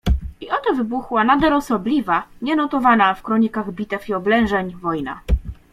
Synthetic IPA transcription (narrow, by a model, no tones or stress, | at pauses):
iɔt̪ɔvɘbuxwanad̪alɔsɔblʲivaɲɛnɔt̪ɔvanafkɾɔɲikaɣbʲit̪ɛfiɔblɛ̃w̃ʐɛɲvɔjna̰